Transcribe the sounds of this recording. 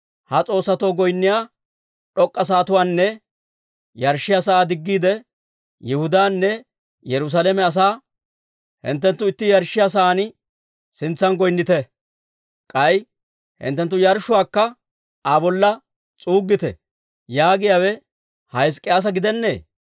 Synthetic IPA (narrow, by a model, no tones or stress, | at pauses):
hɐt͡sʼo̞ːsːɐt̪o̞ːɡɔjnːɪjaː | ᶑɔkʼːɐs̬aːt̪ʊwaːnːɛ | jɐɾʃːɪjasɐʔaːd̪ɪɡːiːd̪ɛ | jɛhʊd̪aːnːɛ | jɛɾʊs̬alɛmɛɐs̬aː | hɪ̰nt̪ːɛnt̪ːʊɪt̪ːɪjɐɾʃːɪjas̬ɐʔaːn | sɪnt͡sːɐnɡɔjnːɪt̪ɛ | kʼɐj | hɪ̰nt̪ːɛnt̪ːʊjɐɾʃːʊwaːkːɐ | abɔlːɐ | t͡sʼuːɡːɪt̪ɛ̰ | jaːɡɪjaːwɛ | hɐjɪs̬kʼːɪjaːs̬ɐɡɪd̪ɛnːḛː